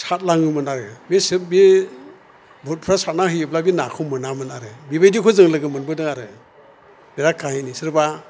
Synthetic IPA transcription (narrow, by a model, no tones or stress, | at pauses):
sat̚laŋɯmɯnaɾɯmesɯp̚bi | bʱɔt̚pʰɾasat̚nahɯjɯplabinakʰɔmɯnamɯnaɾɯbibajdikʰɔzɯŋlɯɡɯmɯnbɯdɯŋaɾɯ | beɾakʰːahijnisɯɾba